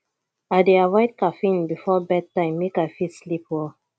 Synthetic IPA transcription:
adeawɔɪt̚kafĩnbifɔbɛd̚tːãɪ̃mːekafislipwɔ

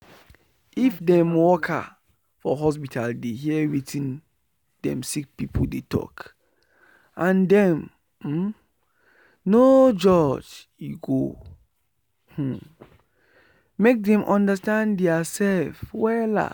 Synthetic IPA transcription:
ifdɛ̃mwɔkʰa̰ | fɔɦɔs̬pitʰaldeɦiɛwitʰĩn | d̥ɛ̰̃msik̚pipʰoldetʰɔ̰k | ʔãndɛ̃m̩ | nod͡ʒɔd͡ʒjuɡo | h̩ | mek̚dɛ̃mʔɔ̃ndastãndɛasɛlfwɛla̰

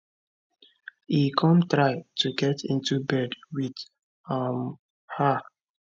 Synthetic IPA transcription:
ikʰɔ̃mtɹaɪtʰuɡɛtʰḭ̃ntubɛdwid | m | hə

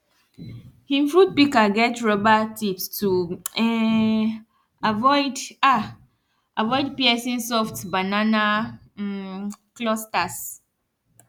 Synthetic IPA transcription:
hĩmfɾut̚pikaɡɛtɹɔbatipstʰuɛ | avɔɪda | avɔɪd̚piɛsĩnsɔftbanana | klɔstas

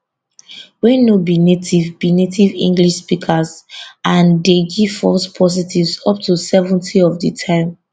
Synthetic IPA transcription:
wɛnobinetʰivbinetʰivḭ̃ŋɡliʃspikʰəzãndeɡifɔ̰spʰɔzitivzɔp̚tusɛvɔ̃ntʰiɔvditʰãɪ̃m

